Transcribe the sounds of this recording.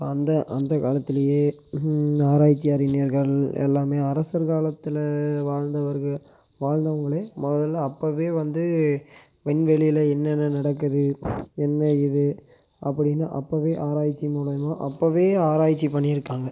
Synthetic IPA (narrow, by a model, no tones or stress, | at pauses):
pɐnd̪ɐʔɐnd̪ɐkaːlɐt̪ːɪlɐjeːnaːɾaːjt͡ʃːɪjaːɾɪnɪjɐɾɣɐɭɛ̰lːaːmeːɐɾɐsɐɾkaːlɐt̪ːɪlɐʋaːɻnd̪ɐʋɐɾɣɐɭ | ʋaːɻnd̪ɐʋɐŋɡɐɭeːmɔðɐlːɐpːoːʋeːʋɐnd̪ɯ | ʋɛnʋɛɭɪjɪlɐɛnːɛnːɐnɐɽɐkːɯðɯɛnːɐɪðɯ | ʔɐpːɐɽɪnːa̰ːʔɐpːoːʋeːʔaːɾaːjt͡ʃːimuːɽɐjmãːʔɐpːoːʋeːaːɾaːjt͡ʃːipɐɳːɪɪɾɯkːaːŋɡɐ